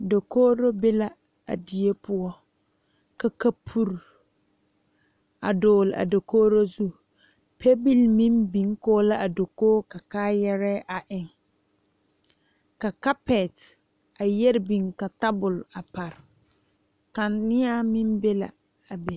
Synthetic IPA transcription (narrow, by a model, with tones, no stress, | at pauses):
do˨koː˦ɾo˦be˦la˨ | a̰˨di˨e˦pʊ˦ɔ˦ | ka˨ka˦pʰu˦ɾ | a̰˨doː˨la̰˨do˨koː˦ɾo˦zu˦ | pʰe˦bi˦lmi˦mbi˨ŋ˦koː˦la˦ʔa˨do˨koː˦ka˨kaː˦jɛ˦ɾɛ˦ʔa˨ʔɪ˨ŋ | ka˨ka˦pɛ˨t | a˨jɛ˦ɾɪ˦bi˨ŋka˨ta˦bʊ˨la˨pa˨ɾɪ˨ | ka˨nɪ˦a˦mi˦mbe˦la̰˨ | a˨bɛ˨